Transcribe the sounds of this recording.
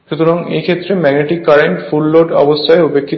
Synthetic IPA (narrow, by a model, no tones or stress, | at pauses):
ʃut̪ʰoɾaŋejkʰet̪ːɾemɛɡneʈikːaɾeɳʈfulːoɖɔbost̪ʰaeupekʰːit̪